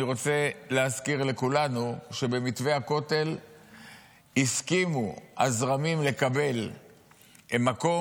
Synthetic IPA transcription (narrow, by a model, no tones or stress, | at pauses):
iʁo̞t͡se̞leaskiʁle̞kulanuʃe̞be̞mit̪ve̞hako̞t̪e̞l | iskimuazʁamimle̞kabe̞l | mako̞